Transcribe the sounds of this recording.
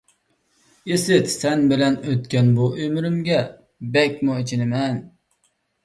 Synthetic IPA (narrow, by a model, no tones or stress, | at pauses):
jesɪt̪sɛnbɪlɛnøt̪kʲʰɛnbuʔømɾymɡʲɛ | bɛkʲmuet͡ʃʰɪnɪmɛn